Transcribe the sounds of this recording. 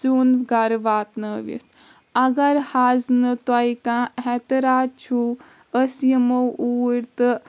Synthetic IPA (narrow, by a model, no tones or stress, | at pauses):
zuːnɡɐɾʋaːt̪nəʋḭt̪ʰ | ɐɡɐɾhaːznɨt̪ajikãɦɛt̪əɾaːd̪̚t͡ʃʰu | əsjəmowuːɾt̪ɨ